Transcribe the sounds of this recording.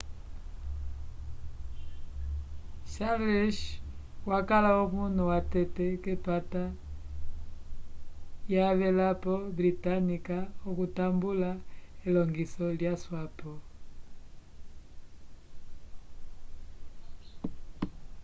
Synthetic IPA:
ʃaɾɛʃ | wakalaɔβunuwatɛtɛkɛpata | jaβɛlapɔbɾitanikaɔkutambulailɔŋɡisɔljaswapɔ

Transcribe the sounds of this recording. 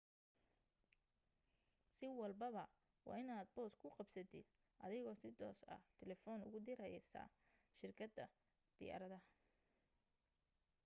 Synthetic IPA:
sɪwɑlbɐβɐ | wɑ̰ːɪnaːd̪̚bɔːskʰʊqɑbsɐd̪ɪ̰d̪ | ʔɐ̰ðɪɣɔːsɪd̪ɔ̰ːsɐ̰t̪ʰɛlɛfɔːnʊ̰ɣʊd̪ɪɾɐjɛsɐ̰ː | ʃɪrkʰɐd̪ɐ | d̪̥ɪ̰ja̰ɾɐðɐ

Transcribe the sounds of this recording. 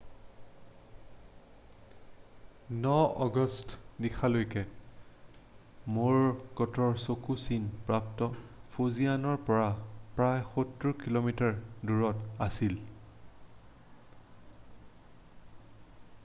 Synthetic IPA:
nɔɔɡɔstdikʰalojkɛ | moɹkɔtʰɔɹsokusinpɹaptɔpʰozijanɔɹpɔɹapɹajxotːuɹkilomitaɹduɹɔtasil

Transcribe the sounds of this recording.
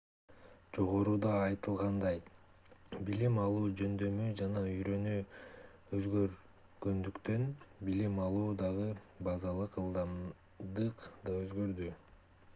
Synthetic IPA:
d͡ʒo̞ʁo̞ɾuːd̪ɑːjt̪ɯlˠʁɑnd̪ɑj | bilimɑlˠuːd͡ʒø̞nd̪ø̞myd͡ʒɑnɑyjɾø̞ny | øzɡø̞ɾ | ɡ̥ø̞nd̪ykt̪ø̞nbilimɑlˠuːd̪ɑʁɯ | bɑzɑlˠɯqɯlˠd̪ɑm | d̪ɯqd̪ɑøzɡø̞ɾd̪y

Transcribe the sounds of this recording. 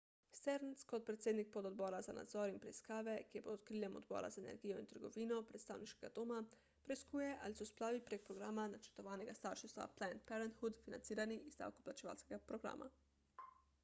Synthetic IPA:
st̪ɛɾnskɔt̪̚pɾɛt̪seːd̪nik̚pɔd̪ɔd̪̚bɔːɾazana̰d̪zɔːɾinpɾɛiskaːʋɛkepot̪̚kɾilʲjɛmɔ̰d̪bɔ̰ːɾa̰zaenɛ̰ɾɡiːjɔint̪əɾɡɔʋiːnɔpɾɛt̪st̪aːwniʃkɛɡad̪oːma | pɾɛiskuːjɛʔalisɔsplaːʋipɾeːk̚pɾɔɡɾaːmanat͡ʃɛ̥ɾt̪ɔʋaːnɛɡast̪aɾʃist̪ʋa̰plɛnt̪̚pɛɾɛnt̪xud̪fina̰nt̪siːɾaniizd̪a̰ːwkɔ̥plat͡ʃɛʋa̰ːlskɛɡapɾoɡɾa̰ːma̰

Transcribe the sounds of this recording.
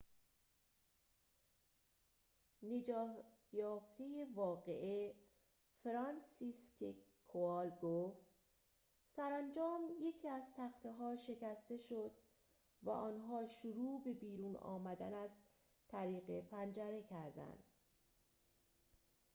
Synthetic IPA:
ne̞d͡ʒɒːt̪ʰjɒːft̪e̞je̞vɒːɣeʔe | feɾɒnsiskʰekʰoɒlɡoft̪ | sæɾænd͡ʒɒːmje̞cʰiːæzt̪ʰæxt̪ʰeɦɒːʃe̞cæst̪e̞ʃod̪̥ | væ̰ʔɒːnɦɒːʃoɾuːbe̞biːɾuːnɒ̰ːmæd̪ænæz | t̪ʰæɾiːɣe̞pʰænd͡ʒæɾe̞cʰæɾd̪æ̰nd̪̥

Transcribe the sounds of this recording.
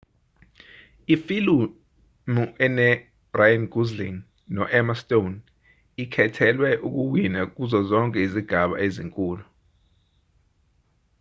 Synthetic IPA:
ifilu | muʔɛnɛ | brajanɡuzliŋ | nɔʔɛmastʼon | ikʰɛtʰɛlwɛʔuk̬uwinak̬uzɔzɔŋkʼɛiziɡ̥ʱaɓa̰eziŋkʼuːlu

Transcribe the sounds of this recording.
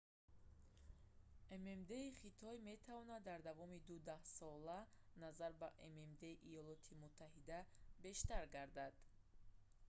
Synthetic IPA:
ememd̪e̞iχit̪ʰɔjme̞t̪ʰavɔnad̪ːaɾd̪avɔmid̪ud̪ahsɔlanazaɾbaʔememd̪e̞iʔijɔlɔt̪ʰimut̪ʰːahid̪abe̞ʃt̪aɾɡaɾd̪ad̪̥

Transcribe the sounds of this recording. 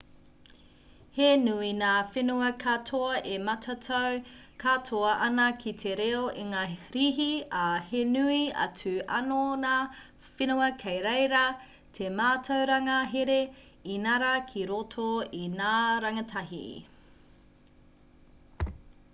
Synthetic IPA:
henuinaːfenuɐkʰatʰoɐʔemɐtʰɐtʰɐwkʰatʰoɐʔɐnɐkʰitʰeɾeoʔiŋaːɾiɦiɐhenuiɐ̰t͡sʉɐ̰nonaː | fenuɐkʰejɾejɾɐ | tʰemaːtʰɐwɾɐŋɐɦeɾe | inɐɾɐkʰiɾotʰoinaːɾɐŋɐtʰɐɦḭ

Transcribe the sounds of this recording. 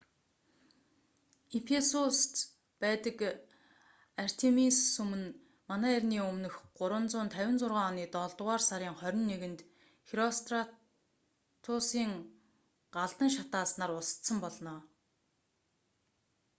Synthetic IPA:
ipʰesust̪ | pæːt̪ə̆k | ar̥t̪ʰemissɵmɘ̆n | manæːirʲniːɵmnɵ̆xɢʊɾwə̆nt͡sʊːnt̪ʰæwʲɪ̆nt͡sʊrʁaːɔniːt̪ɔɮt̪ʁaːrsaɾʲiːŋχœɾʲɪ̆nːeɣɘ̆nt̪ | xiɾɔst̪ʰra | t̪ʰʊsiːŋ | ɢaɮt̪ə̆ŋʃ̬at̪aːsnaːrʊsə̥t̪sə̆mpɔɮnɔː

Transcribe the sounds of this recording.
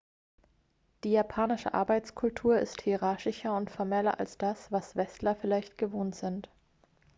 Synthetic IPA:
d̥iːjaːpʰaːnɪʃə̰ʔa̰ɐbaɪt͡skʰʊltʰuːɐɪ̰sthiʁaɐçɪçɐʊntfɔɐmɛlɐ̰ʔa̰lsd̥asv̥asv̥ɛstlɐfɪlaɪçtɡ̥əvoːntz̥ɪnt

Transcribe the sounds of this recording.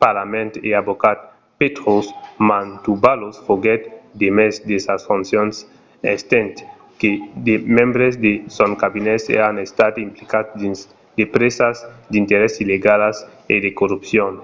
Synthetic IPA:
paɾlamẽnt̪eabokat̪̚ | pet̪ɾosmãnt̪ubalosfoɡɛt̪d̪emezd̪esasfũnsjons | ḛst̪ẽnt̪ | ked̪emẽmbɾezd̪esonkabinesḛanest̪ad̪implikadi | d̪epɾesazd̪int̪eɾesileɡalas | ḛd̪ekorupsjon

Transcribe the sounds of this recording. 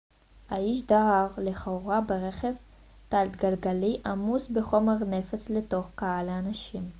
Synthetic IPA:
haiʃ̬daaʁleχouʁabeʁeχev | t̪alt̪ɡalɡaliʔamusbeχo̞meʁne̞fat͡sleto̞χkaalaanaʃim

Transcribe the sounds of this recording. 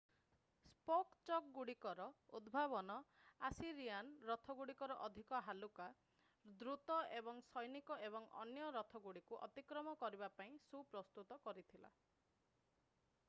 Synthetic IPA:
spokt͡ʃɔk̚ɡuɽikɔɾɔud̪bʱaβɔnɔasiɾijanɾɔt̪ʰɔɡuɽikɔɾɔʔɔd̪ʱikɔɦaluka | d̪ɾut̪ɔebɔŋsɔjnikɔʔeβɔŋɔ̰njɔɾɔt̪ʰɔɡuɽikuʔɔ̰t̪ikɾɔmɔkɔɾibapaĩsupɾɔst̪ut̪ɔkɔɾit̪ʰila̰

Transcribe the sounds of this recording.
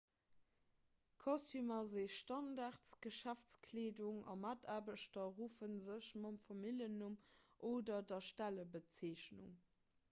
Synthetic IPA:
kʰɔstymazeːʃtɑndaːʁtsɡ̥əʃæft͡skʰleːduŋɑ̰matʰaːbəʃtɐʁuːfənzəɕmɑmfɑmiljənumʔoːdɐdɐʃtæləbət͡seːʃnṵŋ

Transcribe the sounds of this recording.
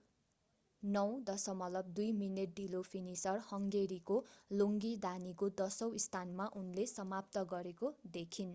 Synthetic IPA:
nʌw̃d̪ʌsʌmʌlʌb̚d̪ujmineʈ̚ɖilopʰinisʌrhʌŋɡeɾikoloŋɡid̪anikod̪ʌsʌw̃ist̪ʰanmaʔunlesʌmap̚t̪ʌɡʌɾekod̪ekʰin

